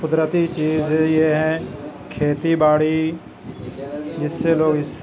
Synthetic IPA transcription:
kʊd̪ɾət̪it͡ʃiːzjeɦɛ̃kʰeːt̪ibaːɽi | jɪsːeloːɡɪs

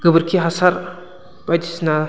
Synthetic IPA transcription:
ɡ̥ɯbɯɾkʰiɦasaɾ | b̥ajdisna

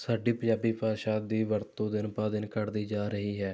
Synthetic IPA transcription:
saːɖiːpə̃d͡ʒaːbiːpaːʃaːd̪iːʋəɾt̪õːd̪ɪnpaːd̪ɪnkəɾd̪iːd͡ʒaːɾəɦiːɦɛː

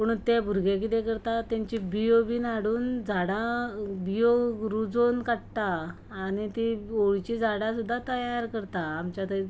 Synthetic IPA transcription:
pəɽ̃unt̪ɛbʱuɾɡẽk̬it̪ekəɾt̪at̪jãɲt͡ɕibijobiːnaɽuːnd͡zʱaɽabijoɾud͡zonkaʈ̚t̪aː | nit̪ioɭt͡ɕid͡zʱaɽasud̪ʱːat̪əjaɾkəɾt̪aːmt͡ɕat̪ə

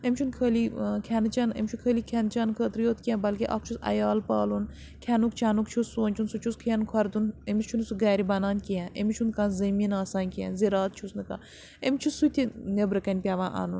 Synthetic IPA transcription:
emʲt͡ʃʰunkʰəːlikʰɛnɨt͡ʃɐnḛmʲt͡ʃʰukʰəːliːkʲʰɛnt͡ʃɐnkʰət̪ɾijoːt̪ʰkiɛ̃bɐlkiʔɐ̰k̚t͡ʃʰusɐ̰jaːlpaːlun | kʲʰɛnukt͡ʃʰanukt͡ʃʰusːuːnʲt͡ʃʰunsut͡ʃʰuskʰɐjɐnkʰwɐɾd̪unemʲist͡ʃʰunsuɡaːɾibɐnaːnkiɛ̃ʔemʲit͡ʃʰunkãːnzɐminaːsaːnkiɛ̰̃nziɾaːt̪̚t͡ʃʰusnɨka̰ː | emʲt͡ʃʰusːut̪ʲʰinebɾɨkɐnʲpʲaʋãːʔa̰ːnun

